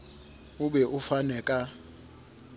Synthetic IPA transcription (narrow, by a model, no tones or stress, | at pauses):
ʊbɛʔʊfanɛːkʼa